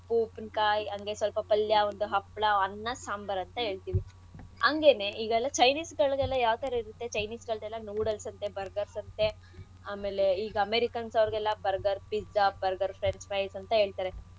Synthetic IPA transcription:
puːpnkaːjɐŋɡesʋɐlpɐpɐljɐond̪uɦɐpːɭɐɐnːɐsaːmbɐɾɐnt̪ɐɦe̞ːɭt̪iːʋi | ɐŋɡe̞ne̞ʔiːɡɛlːɐt͡ʃɐjniːsɡɐɭɡɛlːɐjaːʋt̪ɐɾɐiɾut̪ːet͡ʃɐjniːsɡɐɭɡɛlːɐnuːɽɐlsɐnt̪e̞bɐɾɡɐɾsɐnt̪e̞ | aːme̞ːle̞iːɡɐɐmeɾikɐnsɐʋɾɡɛlːɐbɐɾɡɐɾpiabɐɾɡɐɾpʰɾeɳspɐjsɐnt̪ɐɦe̞ːɭt̪aːɾe̞

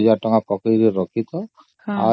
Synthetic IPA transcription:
d͡ʒaʈɔŋapɔkejɾiɾɔkʰit̪ɔ | a

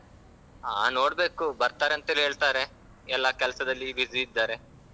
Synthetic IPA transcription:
ɦa̰ːno̞ːɽbe̞ːkubɐɾt̪aːɾeɐnt̪ɐɦelɦeːɭt̪aːɾe̞ | ɛlːɐkɛlɐsɐd̪ɐlːiʋiziːd̪ːaːɾe̞

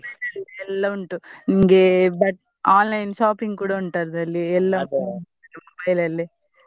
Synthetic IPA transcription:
ɐlɐlːiɛlːɐuɳʈuniŋɡebɐʈ | aːnlɐjnʃaːpiŋɡkuːɽɐuɳʈaːɾɐd̪ɐlːiɛlːɐɐmobɐjlɐlːi

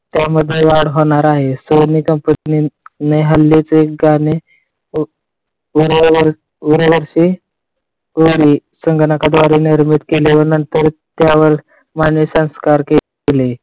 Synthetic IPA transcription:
t̪jaməd̪ʱːeʋaɽɦoɽ̃aɾaɦesonikəmpəninineɦəlːet͡sːk̚ɡane | uɾʋəɾ | uɾəʋəɾɕiː | oɾiːsəŋɡnakad̪ʋaɾiniɾmit̪keleʋəɾnənt̪əɾt̪jaʋəɾ | manisə̃w̃skaɾke | ele

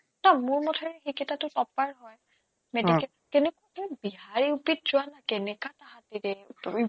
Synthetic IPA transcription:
namʊɹmɔtʰɛɹɛxikɛtatʊtɔpaɹɦɔj | medikɛtakenɛkʊaɛbiɦaɹiupit̚z̥ʊwanakɛnɛkataɦatidɛi

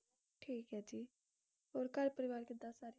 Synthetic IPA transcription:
ʈʰiːkɦɛːd͡ʒiː | ɦoːɾkəɾpəɾɪʋaːɾkɪt̪ːaːsaːɾ

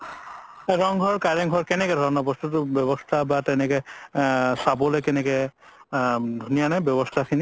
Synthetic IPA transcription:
ɹɔŋɡʱɔɹkaɹɛŋɡʱɔɹkɛnɛkɛdʱɔɹɔnɔbɔstut̬ʊbjɔbɔstʰabatɛnɛkɛ | sabɔlojkɛnɛkɛ | dʱunijanabjɔbɔstʰakʰini

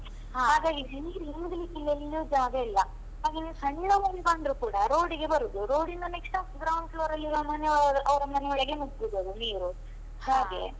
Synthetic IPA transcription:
haːɡaːɡiɦniːɾuɦimd̪ɐlikilːelːud͡ʒaːɡeilːɐ | ɦaːɡeːnisɐɳiɽɐmɐnibɐɳɖɾukuːɽɐɾo̞ːɽiɡe̞bɐɾud̪uɾoːɽind̪ɐnekʂʈaːsuɡ̪ɾaːʋɐnslɐːɾɐlːiɐmɐnedɐʋɐɾɐmɐnɛʋɐɭɐɡenubibod̪uniːɾu | haːɡe̞̰

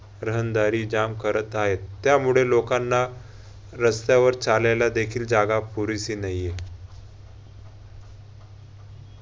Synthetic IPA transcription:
ɾəɦənd̪aɾiːd͡ʑamkəɾət̪aɦet̪ːjamuɭelokanːa | ɾəst̪jaʋəɾt͡salajlad̪ekʰiːld͡ʑaɡapuɾisinaje

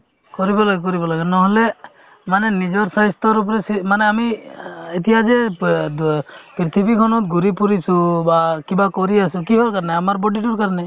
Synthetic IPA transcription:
kɔɾibɔlaɡɛk̬ɔɾibɔlaɡɛnɔɦɔle | manɛnid͡ʒɔɾsajst̪ɔɾup̬ɾɛsimanɛamiet̪ijad͡ʒɛ | pɾit̪ʰibʱikʰɔnɔt̪̚ɡuɾipuɾisubakibakɔɾiasukiɦɔlkaɾneamaɾbɔɖiʈ̬uɾkaɾnɛ

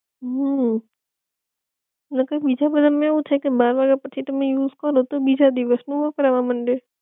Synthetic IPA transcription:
ɦə | nəkabid͡ʒabəd̪ʱamẽeʋũt̪ʰajkebaːɾʋaɡɛɾpət͡ʃʰit̪əmẽjuːzkəɾot̪obid͡ʒad̪iʋəsnũːʋokəɾaʋãməɳɖe

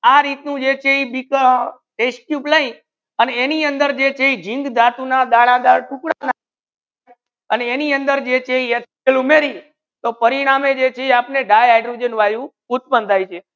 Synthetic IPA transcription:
aɾit̪nũd͡ʒet͡ʃʰeibikʈesʈjupləĩ | əneːniənd̪əɾd͡ʒet͡ʃʰeid͡ʒĩŋɡd̪ʱat̪unad̪aɭãd̪aɾʈʰukɽana | əneːniənd̪əɾd͡ʒet͡ʃʰeies | əlumeɾi | t̪opəɾiɽ̃amed͡ʒet͡ʃʰeapneɖajajɖɾud͡ʒənʋajũ | ut̪̚bənd̪ʱajt͡ʃʰe

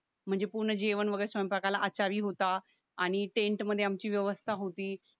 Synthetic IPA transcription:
m̤əɳd͡zepuɾɳəd͡ʑeʋənʋəɡəɭɾesəmpakalaʔət͡ɕaʋiːɦot̪aː | ɽ̃iʈẽɳʈməd̪ʱːeamt͡ɕiːʋjəʋəst̪ʰaɦot̪iː

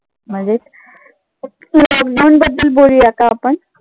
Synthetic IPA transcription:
məd͡zet | lɔkɖawɳbəd̪ːəlbolijakaːpəɳ

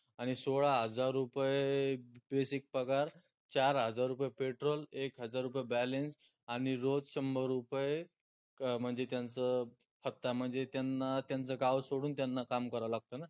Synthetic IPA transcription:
aɽ̃isoɭaɦəd͡zaɾːupjebesik̚pɾəkaɾ | t͡ɕaɾɦəd͡zaɾːupəjepeʈɾolekɦəd͡zaɾːupjebælens | aɽ̃iɾod͡zɕəmbəɾːupje | m̤əɳd͡zet̪jant͡sə | pʰət̪ːam̤əɳd͡zet̪janːat̪jant͡səɡaʋsoɽuːnt̪janːakamkəɾaʋlaɡ̚t̪əna

